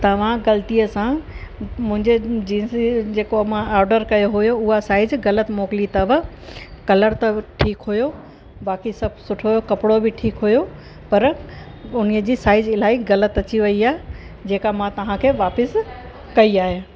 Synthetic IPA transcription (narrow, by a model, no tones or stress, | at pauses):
t̪ɐʋ̤ãɡɐlt̪ijəsã | mʊ̃ɦɪ̃ɲd͡ʑed͡ʑiːsid͡ʑeːkomãaːɾɖəɾkɐjoɦʊjoʊɦasaːɪd͡ʑɣɐlət̪moːkɪlit̪ɐʋ | kɐləɾt̪ɐʈʰiːkɦujo | baːkisɐbʱsʊʈʰojokɐpɪɽobɪʈʰiːkɦujo | pɐɾ | ʊniəd͡ʑiːsaːɪd͡ʑɪl̤aːiɣɐlət̪ɐt͡ɕiʋɐiaːɦ | d͡ʑeːkamãt̪ɐʋ̤ãkʰeːʋaːpɪs | kɐiaːɦe